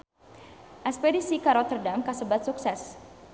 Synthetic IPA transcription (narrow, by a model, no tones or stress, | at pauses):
ʔɛspedisikaɾɔt̪ərdamkasəbat̪̚suksɛs